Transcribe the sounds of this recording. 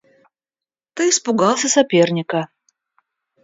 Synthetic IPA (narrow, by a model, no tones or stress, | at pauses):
t̪ɨispʊɡɑlˠsʲɐsapʲernʲɪkɐ